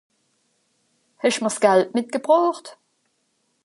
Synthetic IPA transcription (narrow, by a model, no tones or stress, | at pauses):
hɛʃməsɡ̥ɛltmɪt̚ɡ̥əbʁoːχt